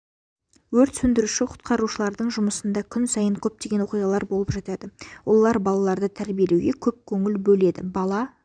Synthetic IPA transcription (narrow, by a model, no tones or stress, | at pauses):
wɵɾt̪sɵnd̪ɪɾuʃɪqʰʊ̥t̪̚qɑɾuʃəlˠɑɾd̪əɴʒʊməsənd̪ɑkʲʰʏnsɑjəɴkʲʰɵp̚t̪eɡʲe̞nwoqijʁɑlˠɑɾbo̞lˠəpʒɑt̪ɑd̪əwo̞̰lˠːɑɾbɑlˠɑlˠɑɾd̪ət̪ʰæɾbijelewɡʲe̞kʲʰɵp̚kʲʰɵŋɪlbɵle̞d̪ɪ̰bɑlˠɑ